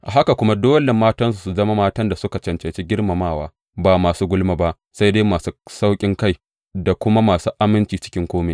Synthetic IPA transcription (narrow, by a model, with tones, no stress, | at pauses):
ʔa˨ɦa˦ka˨kʷʊ˦ma˦doː˦le˨maː˦tɐ˦ns̬u˨su˨zɐ˦ma˦maː˦tɐ˦nda˨sʊ˦ka˨t͡ʃɐ˨nt͡ʃe˨t͡ʃe˦ɡʲɪ˦ɽma˨maː˦˨waː˦ | baː˨maː˨suː˦ɡʷʊ˦lma˨ba˦ʔ | sa˦jdeː˦maː˨suː˦sa˦wkʲʼɪ˦ŋka˦j | da˨kʷʊ˦ma˦maː˨suː˦ʔa˦mɪ˦nt͡ʃiː˨t͡ʃɪ̥˦kʲɪ˦ŋkʷoː˦meː˨